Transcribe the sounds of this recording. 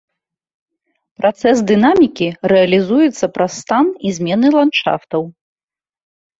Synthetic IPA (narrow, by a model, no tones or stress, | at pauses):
pɾʔat̪sɛsd̪ɨnamʲikʲiɾɛɐlʲizujɛt̪sːɐpɾɐsːt̪anizʲmʲɛnɨlˠantt͡ʂa̰ft̪ɐw